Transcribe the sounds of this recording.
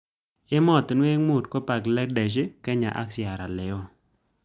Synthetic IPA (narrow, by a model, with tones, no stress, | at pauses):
ɪ˦mɔ˦˨t̪nwe˦ŋmu˦˨tko˦pa˨ɡlɛ˦k̚dɛ˨ʃ̬ɪ˦kɛ˦ɲa̰˨ʔa̰˦ksɪ˨a˨ɾa˨lɪ˨ɔ˦